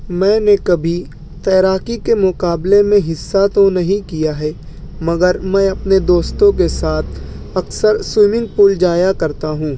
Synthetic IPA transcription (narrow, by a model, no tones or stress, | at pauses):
mɛ̃ːnekɐbʱi | t̪ɛːɾaːkikemʊkaːblemẽɦɪsːat̪onɐɦĩkijaɦɛ | mɐɡəɾmɛ̃ːɐpned̪oːst̪õkesaːt̪ʰ | ɐksəɾswɪmɪ̃ŋɡ̚puːld͡ʒaːjakɐɾt̪aɦũː